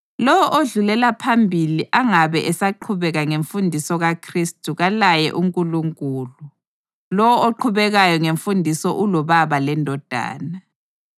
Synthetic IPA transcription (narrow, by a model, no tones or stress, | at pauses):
lɔwɔʔoɮulɛlapʰambʱiliʔaŋaβɛʔɛsaǃʰuβɛɣaŋeɱfundʱisɔɣakʰristʼuɣalajɛ̰ʔuŋkʼuluŋkʼuːlu | lɔwɔoǃʰuβɛɣajɔŋeɱfundʱisɔʔulɔβaβalɛndʱɔd̥ʱa̰ːna